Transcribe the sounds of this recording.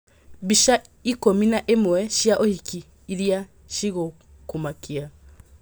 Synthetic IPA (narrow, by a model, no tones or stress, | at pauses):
βiʃa | ikominaʔemwɛʃjaʔohikiː | ɾja | ʃiɣo | kumakia